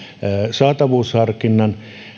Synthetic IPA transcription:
sɑːt̪ɑʋuːshɑrkinːɑn

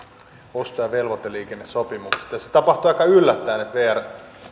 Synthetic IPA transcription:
ost̪ojɑʋelʋot̪ːelːiːkenːesopimukse̥t̪jɑse̥t̪ɑpɑht̪uɑikːɑylːæt̪ːæːnet̪ʋeːær

